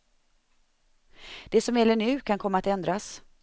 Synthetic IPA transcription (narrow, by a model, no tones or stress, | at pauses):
d̪̥ɛsɔmjɛlːəɳʉ̟ːkʰankʰɔmːaːt̪ɛnd̪ɾas